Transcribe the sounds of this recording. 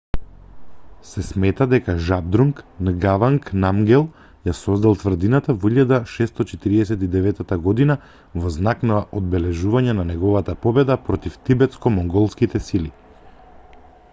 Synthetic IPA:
sɛsmɛt̪ad̪ɛkaʒab̚d̪ɾuŋknɡavaŋknamɡɛlˠ | jasɔzd̪alˠt̪vr̩d̪inat̪avɔiʎad̪aʃɛst̪ɔt͡ʃɛt̪iɾiɛsɛt̪id̪ɛvɛt̪ːat̪aɡɔd̪ina | vɔznaknaʔod̪̚bɛlɛʒuvaɲɛnanɛɡɔvat̪apɔbɛd̪apɾɔt̪ift̪ibɛt̪skɔmɔŋɡɔlˠskit̪ɛsili

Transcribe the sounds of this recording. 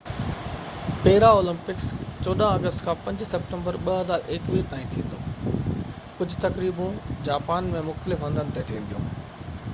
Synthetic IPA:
peːɦɪɾaoːlə̃mpɪkst͡ɕoːɗãəɡəst̪kʰãːpɐ̃ɲd͡ʑsɐp̚ʈə̃mbəɾɓɐɦɐzaːɾʔeːkʋiːpaːĩt̪ʰḭ̃ːn̆d̪oː | kʊd͡ʑʱt̪ɐkɾiːbũd͡ʑaːpaːnmẽmʊxt̪əlɪfɦɐ̃nd̪ʱənɪt̪et̪ʰiʋẽnd̪ijõ̰ː

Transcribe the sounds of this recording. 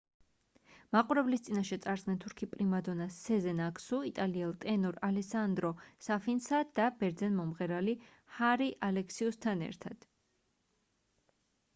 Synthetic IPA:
maqʼuɾɛblist̪sʼinaʃɛt̪sʼaɾd̪zɡnɛnt̪ʰuɾkʰipʼɾimad̪ɔnasɛzɛnaksuit̪ʼaliɛlˠt̪ʼɛnɔɾalɛsand̪ɾɔsafinsad̪̥abɛɾd̪zɛnmɔmʁɛɾali | haɾiʔalɛkʰsiust̪ʰanɛ̰ɾt̪ʰad̪̥

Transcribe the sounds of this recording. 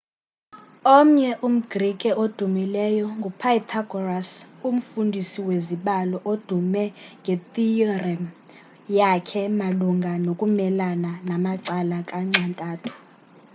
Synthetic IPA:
om̩ɲɛʔum̩ɡ̥rikʼɛod̥ʱumilɛjɔŋɡʱupʰait̪ʰaɡɔrasum̩fundʱisiweziɓalɔʔod̥ʱumɛŋɡʱetʼiɔrɛm | jakʰɛmaluŋɡʱanokʼumɛlananamaǀalakʼaŋ͡ǀʱantʼaːtʰu̥

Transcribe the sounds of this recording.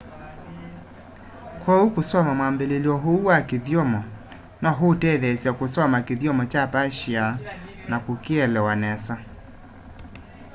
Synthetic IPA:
kwaukusɔmamwambeliliɔɦuwakiðjɔmɔ | naɦutɛðɛsakusɔmakiðjɔmɔt͡ʃapaʃia | nakukiɛlɛwanɛsa

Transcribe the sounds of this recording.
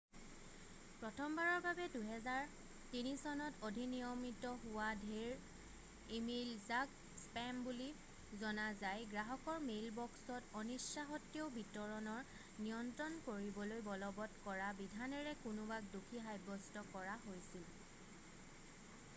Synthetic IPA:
pɹɔtʰɔmbaɹɔɹbabɛduɦɛzaɹ | tinisɔnɔtodʱinijɔmitɔɦʊwadʱeɹ | imilzak | spɛmbuli | zɔnazajɡɹaɦɔkɔɹmelbɔksɔtɔnisaɦɔtːiɔbitɔɹɔnɔɹ | nijɔntɹɔnkoɹibɔlojbɔlɔbɔtkɔɹabidʱanɛɹɛkʊnʊbak̚dukʰiɦajbɔstɔkɔɹaɦojsil

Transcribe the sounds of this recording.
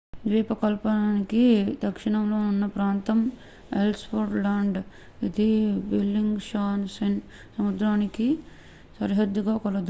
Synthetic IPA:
d̪ʋiːpɐkɐlpɐnaːnikid̪ɐkʂiɳɐmlo̞ːunːɐpɾaːnt̪ɐm | elʈspoɾʈlaːɳɖ | id̪ibelːiŋɡʂaːnsɐn | sɐmud̪ɾaːniki | sɐɾiɦɐd̪juɡaːkɔlɐd̪u

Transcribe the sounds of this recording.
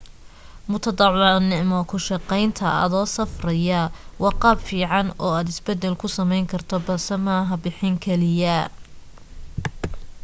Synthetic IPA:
mʊt̪ʰɐd̪ɑʕnɪʕmɔkʰʊʃɑqɛjnt̪ʰɐɐ̰ðɔːsɐfrɐjɐwɑqɑːbfiːʕɑnɔːaːd̪ɪsbɛd̪ːɛlkʰʊsɐmɛjŋkʰɐrt̪ʰɔbɐlsɛmɐːɦɐbɪħɪŋkʰɛlɪjɐ

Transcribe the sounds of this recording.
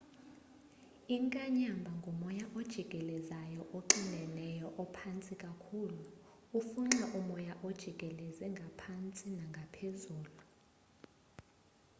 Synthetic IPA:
iŋkʼaɲambʱaŋɡʱɔmɔjaʔod̥ʒ̥ʱiɡ̥ʼʱɛlɛzajɔʔoǃinʱɛnɛjɔʔɔpʰant͡sʼikʼakʰuːlu | ufuŋ͡ǁɛʔumɔjaʔod̥ʒ̥ʱiɡ̥ʱɛlɛzɛŋɡʱapʰant͡sʼinaŋɡʱapʰezuːlu

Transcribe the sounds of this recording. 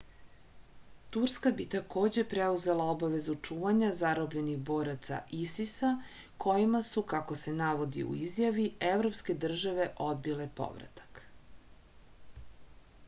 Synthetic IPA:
t̪uɾskabit̪ako̞ːd͡ʑe̞pɾeuze̞lˠao̞baʋe̞zut͡ʂuːʋaɲazaɾobʎe̞niɣbo̞ːɾat̪sa̰isisa | kʰo̞jimasukako̞se̞naʋo̞d̪ḭṵizjaʋievɾo̞pske̞d̪r̩ʒaʋe̞ʔo̞d̪̚bile̞po̞̰ʋɾa̰t̪ḁk

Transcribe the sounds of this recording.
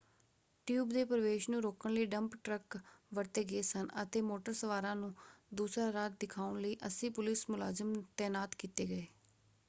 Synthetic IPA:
ʈjuːbd̪eːpɾəʋeːʃnũːɾoːkəɳləiːɖəmpʈɾəkʋəɾt̪eːɡeːsənə̰t̪eːmoːʈəɾsəʋaːɾãːnũːd̪uːsɾaːɾaːt̪̚d̪ɪkʰaːʊɳləiːʔəsĩːpʊlɪsmʊlaːzəmt̪ɛːnaːt̪kiːt̪eːɡəeː

